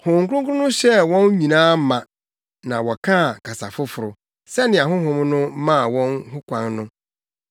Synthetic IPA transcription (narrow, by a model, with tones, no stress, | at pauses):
hʊ̃˨ŋ̩˨kʊ˦ɾʊ̃˦ŋ˦kʊ˦ʊ̃˦nʊ̃˦ɕɛ˦wɔ̃˦n˦ɲĩ˨nãː˦mã˨ | nã˨wɔ˨kʰã˦˨kʰa˨sa̰˨fʊ˦fʊ˨ɾʊ˨ | sɛ˦nɪ̃˨a˨ɦʊ̃˦ɦʊ̃˦mnʊ̃˦mã˦˨wɔ̃˦nɦʊ˦kʷʰã˨˦nnʊ̃˦